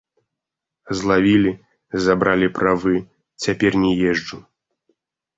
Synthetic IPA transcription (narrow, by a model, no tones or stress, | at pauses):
zlˠavʲilʲi | zabɾalʲipɾavɨ | t͡sʲapʲɛrnʲɛjɛʐd͡ʐu